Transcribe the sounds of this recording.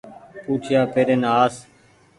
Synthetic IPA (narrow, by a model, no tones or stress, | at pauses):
puːʈʰɪjaːpeːɾeːnaːaːs